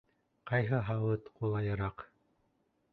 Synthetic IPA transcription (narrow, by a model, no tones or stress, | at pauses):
qɑjɦɤɦɑwɤt̪qulˠɑjɤ̆ɾɑq